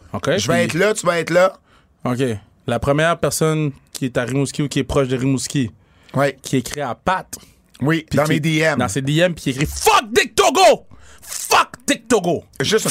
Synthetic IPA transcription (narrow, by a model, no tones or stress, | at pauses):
okʲeʒəvɛɛt̪lʌt̪yvaɛt̪lʌ | ok̬ʲe | lapχəmjɛːʁpɛʁsɔnkʲʰiɛt̪aʁimuskʲiukʲiɛpχɔʃd̪əʁimuskʲi | wikʲʰikʁiapat̪ | wipid̪ãmed̪eɛmd̪ãsed̪eɛmpi̥kʲiekχifʌk̚d̪ɪk̚t̪oɡo | fʌkd̪̥ɪk̚t̪oɡoʒɨst̪